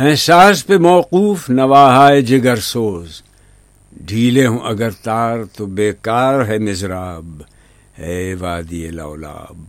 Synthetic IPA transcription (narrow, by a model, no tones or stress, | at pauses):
ɦɛ̃ːsaːspemɔːquːfnɐʋaːɦaːed͡ʒɪɡɐɾsoːz | ɖʱiːleɦũʔɐɡɐɾt̪aːɾt̪obeːkaːɾɦɛmɪzɾaːb | eːʋaːd̪iela̰ola̰ːb̚